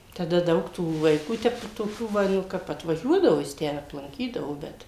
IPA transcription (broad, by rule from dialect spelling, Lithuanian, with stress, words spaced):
tɐˈdɐ ˈdɐʊk tuː ʋɐɪˈkuː ˈtʲɛp toːˈkʲuː ˈʋɐ nʊ ˈkɐp ɐtʋɐˈʒʲuɔdɐʋoː jɪs ˈtʲæː ɐplˠɐŋʲˈkʲiːdɐʋoː ˈbʲɛt